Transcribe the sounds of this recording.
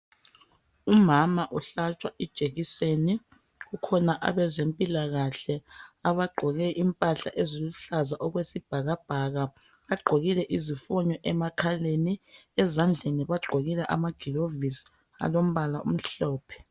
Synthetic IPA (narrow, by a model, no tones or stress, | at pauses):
umamaʔuɬat͡ʃʼwaʔid̥ʒ̥ʱeɣiseni | ɣukʰɔnaʔa̰βɛzempʼilaɣaɬɛaβaɡ͡ǃʱɔɣɛʔimpʼaɬa̰ʔeziluɬazaʔɔɣwesib̥ʱaɣab̥ʱaɣa | βaɡ͡ǃʱoɣilɛʔizifɔɲɔʔɛmakʰaleniɛzand͡ɮʱeniβaɡ͡ǃʱoɣilɛʔa̰maɡ̥ʱirovis | a̰lom̩βalaʔṵm̩ɬɔːpʰɛ̥